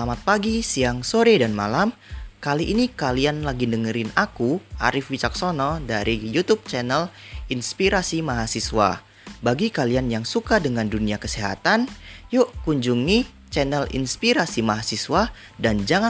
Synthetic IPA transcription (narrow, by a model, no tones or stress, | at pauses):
amat̪̚paɡisiaŋsoɾɛdanmalam | kaliʔinikalianlaɡindəŋəɾɪnakuʔa̰ɾɪfwit͡ʃak̚sɔnɔdaɾijut̪up̚t͡ʃɛnɛlinspiɾasimaɦasiswa̰ | baɡikalianjaŋsukadəŋanduniakəseɦa̰t̪anjʊʔkuɲd͡ʒuŋi | t͡ʃɛnɛlḭnspiɾasimaɦasiswa | dand͡ʒaŋa